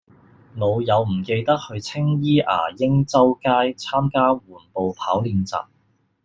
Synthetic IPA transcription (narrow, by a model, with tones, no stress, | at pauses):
ŋo˨˧wjɐ˨˧wm̩˨˩ke˧jt̪ɐ˥k̚hɵ˧ɥt͡sʰɪ˥ŋjiː˥ʔa̰ː˨˩jɪ˥ŋt͡sɐ˥wkaː˥jt͡sʰaː˥mkaː˥wuː˨˩npo˨wpʰaː˨˥wliː˧nt͡sa̰ː˨p̚